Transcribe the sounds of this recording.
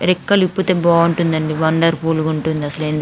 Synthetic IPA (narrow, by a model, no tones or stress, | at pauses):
ɾikːɐlipːut̪ebɔːuɳʈund̪ɐɳɖiʋɐɳɖɐɾpuːluɡuɳʈund̪iɐsɐleːnd̪i